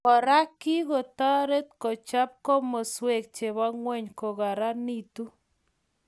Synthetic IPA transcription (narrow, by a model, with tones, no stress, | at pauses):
ɔ˨ɾa˦kːi˦ɣo˨ta˦ɾe˦t̪̚kɔ˨t͡ʃa˦p̚kɔ˦mo˨swe˨k̚t͡ʃe˨βa˦ŋwɛ˦˨ɲko˨ɣa˨ɾa˦ni˦tu˦